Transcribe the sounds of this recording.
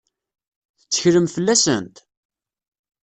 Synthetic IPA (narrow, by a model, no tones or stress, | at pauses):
θət͡sːə̥çɾəmfəlːæsə̰nt̪